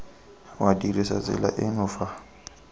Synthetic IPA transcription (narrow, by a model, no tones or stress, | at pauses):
wadirisat͡sʼɪ̰la̰ʔɪnʊːfa